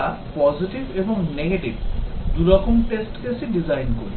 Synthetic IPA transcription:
a | pɔziʈibeboŋneɡeʈibd̪uɾɔkomʈesʈkesiɖizajnkoɾi

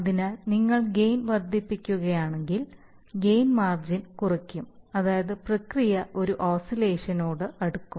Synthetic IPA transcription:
ɐðinɐniŋːɐɭɡe̞jnʋɐrd̪ʱipːikʲːuɣɐjaːɳeŋɡil | ɡe̞jnmaːrd͡ʑinkurɐkʲːumɐðaːjɐðɨprɐkrijɐʔo̞ɾuʔoːsile̞ːʂɐnoːɽɨɐɽukːum

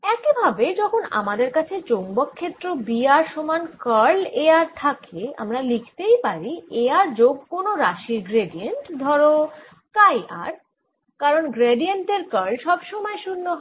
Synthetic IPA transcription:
ɛkibʱabed͡ʑɔkʰona̰mad̪eɾkat͡ɕʰet͡ɕombokʰːet̪ːɾobiaɾʃomankəɾleaɾt̪ʰakʰea̰mɾalikʰt̪ejpaɾieaɾd͡ʑoɡ̚konoɾaʃiɾɡɾeɖieɳʈd̪ʱɔɾo | kajʔa̰ɾ | kaɾonɡɾeɖienʈeɾkəɾlʃɔbʃɔmɔeʃunːoɦ

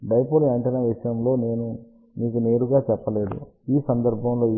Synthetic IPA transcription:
ɖɐjpolɐɳʈɐnɐʋiʂɐjɐmlo̞ːne̞ːnu | miːkune̞ːɾuɡaːt͡ʃɛpːɐle̞ːd̪ṵ | iːsɐnd̪ɐɾbʱɐmlo̞ː

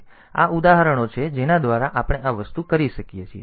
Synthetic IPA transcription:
a̰ud̪aɦəɾəɽ̃ot͡ʃʰed͡ʒenad̪ʋaɾaʔapəɽ̃eʔaʋəst̪ukəɾiʃəkijet͡ʃʰie

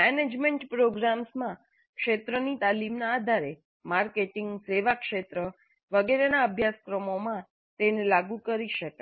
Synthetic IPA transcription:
mɛned͡ʒmeɳʈpɾoɡɾamsmã | kʃet̪ɾənit̪alimnaːd̪ʱaɾe | maɾkeʈɪŋɡseʋakʃet̪ɾə | ʋəɡeɾenaəbʱjaskɾəmomã | t̪enelaɡũkəɾiʃəka

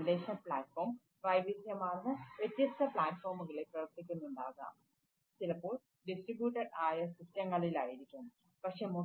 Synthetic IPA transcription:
leːʂɐnpɭaːʈfoːrm | prɐjʋisjɐmaːɻnɨʋet̪jɐst̪ʰɐpɭaːʈfoːrmuɣɐɭeprɐʋɐrt̪ːikʲːunːuɳɖaːɣa̰ːm | t͡ɕilɐpːo̞ːɭ | ɖisʈribjuːʈːɐɖaːjɐsistjɐŋːɐɭilaːjiɾikʲːunːɨ | pɐkʂe̞ːmo

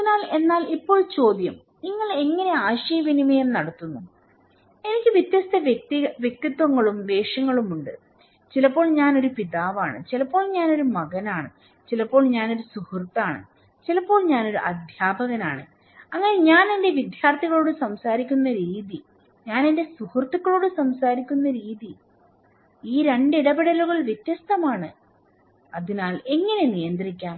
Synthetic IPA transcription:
ɐðinaːle̞nːaːlipːo̞ːɭt͡ɕo̞ːd̪jɐm | niŋːɐɭe̞ŋːɐne̞aːɕɐjɐʋinimeːrnɐɽɐt̪ːunːu | e̞nikʲːɨʋjit̪jɐst̪ɐtiʋjek̚t̪it̪ːwɐŋːɐɭumʋe̞ːʂɐŋːɐɭumuɳɖɨ | t͡ɕilɐpːo̞ːɭɲaːno̞ɾupiðaːʋa̰ːɳɨ̰t͡ɕilɐpːo̞ːɭɲaːno̞ɾumɐɣɐnaːɳɨ̰ | t͡ɕilɐpːoːɭɲaːno̞ɾusuhurt̪ːaːɳɨ̰ | t͡ɕilɐpːo̞ːɭɲaːno̞ɾuʔɐd̪ʱjaːbɐɣɐna̰ːɳɨ̰ | ɐŋːɐne̞ɲaːne̞nde̞ʋid̪ʱjaːrt̪iɣɐɭo̞ːɽɨsɐmsaːɾikʲːunːɐɾiːði | ɲaːnende̞suhurt̪ːukːɐɭo̞ːɽɨsɐmsaːɾikʲːunːɐɾiːði | iːɾe̞ɳɖiɽɐbiɽɐluɣɐɭʋjet̪ːjɐst̪ɐmaːɳɨ | ɐðinaːle̞ŋːɐne̞nijɐnd̪rikʲːaːm

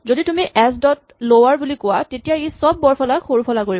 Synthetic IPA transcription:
zoditumiʔɛsdɔt̚ | lowaɹbulikʊwatetijaejsɔbːɔɹpʰɔlaxoɹupʰɔlakoɹi

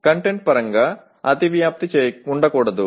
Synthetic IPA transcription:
kɐɳʈeɳɖ̚pɐɾɐŋɡɐ | ɐd̪iʋjaːp̚t̪it͡ɕejuɳɖɐkuːɽɐðu

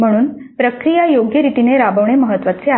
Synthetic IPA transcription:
m̤əɽ̃uːn | pɾəkɾijajoɡjəɾit̪ineɾabəʋɳ̃eməɦət̪ːʋat͡sea

